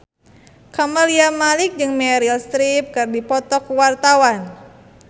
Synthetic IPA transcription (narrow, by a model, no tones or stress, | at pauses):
kaməliamalik̚d͡ʒɨŋmeɾilst̪ɾip̚kɨrdipɔt̪ɔkuwart̪awan